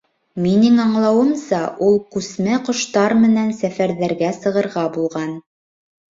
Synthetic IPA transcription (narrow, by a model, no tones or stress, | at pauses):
minɘŋɑɴlˠɑwɤ̆msɑʔulˠkʉsmæqŏʃt̪ɑɾmɘ̆nænsæfæɾðæɾɡæsɤ̆ʁɤ̆ɾʁɑbulˠʁɑn